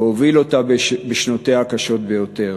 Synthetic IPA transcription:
ovilo̞tabbeʃnot̪ehakaʃo̞t̪be̞jo̞t̪e̞

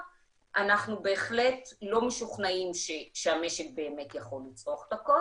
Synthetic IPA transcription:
ʔanaχnube̞ːχle̞tlo̞meʃuχnaimʃeʃeame̞ʃek̚be̞ːme̞tjaχo̞lːit͡sʁoχlako

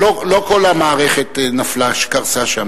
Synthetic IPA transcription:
olo̞ko̞lamaːʁeχet̪naflaʃe̥kaʁsaʃam

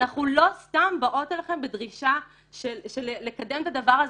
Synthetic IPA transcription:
naχulo̞stambaʔo̞telaχe̞mbed̪ʁiʃa | ʃeʃelelekad̪e̞mt̪adavaʁaz

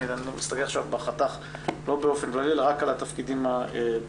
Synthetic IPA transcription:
id̪anmist̪aɡeaχʃavbaχat̪aχ | lo̞beo̞fe̞nklalilʁakalat̪afkid̪imae

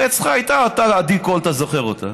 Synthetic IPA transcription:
et͡sχaajt̪aat̪alad̪ikolt̪azoχeʁot̪ʰa̰

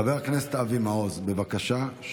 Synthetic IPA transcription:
aveʁakneset̪ʔavimaozbe̞vakaʃaʃ

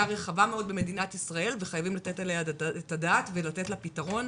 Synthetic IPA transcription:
aʁe̞χavameo̞d̪̚beme̞dinatisʁae̞lve̞χajavimlatetaleaetadaːtvelate̞tlapitaʁo̞n

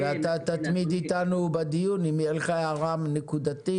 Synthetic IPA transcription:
veat̪at̪at̪mid̪it̪anubad̪ijunimielχaaʁamnekud̪at̪i

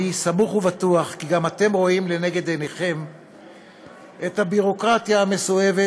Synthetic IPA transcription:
isamuχuvat̪uaχkiɡamat̪e̞mʁo̞imle̞ne̞ɡe̞d̪eneχe̞m | ʔet̪habiʁo̞kʁat̪jaːme̞soe̞ve

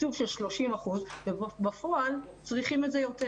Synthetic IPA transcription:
tuvʃelʃlo̞ʃimaχuzvebafo̞ʔal | t͡sʁiχimetzejo̞te

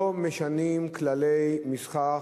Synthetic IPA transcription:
meʃanimklalejmisχa

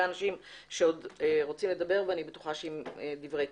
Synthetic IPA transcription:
anaʃimʃeo̞dʁo̞t͡simled̪abe̞ʁveanibetu̥χaʃeimed̪ivʁe

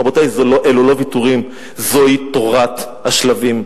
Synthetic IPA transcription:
abotajzoloʔelulo̞vituʁim | zo̞itoʁat̪haʃlavim

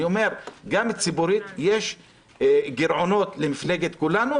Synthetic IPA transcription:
io̞me̞ʁɡamet͡sibuɾit̪jeʃ | ɡiɾʕo̞no̞t̪le̞mifle̞ɡet̪kulanu

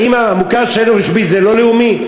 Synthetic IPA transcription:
imamukaʃenoʁiʃbizelo̞leumi

